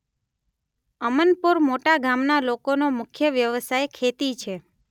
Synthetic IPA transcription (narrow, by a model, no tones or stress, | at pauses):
əmənpuɾmoʈaɡʱamnalokonomʊkʰjəʋjəʋsajkʰet̪it͡ʃʰe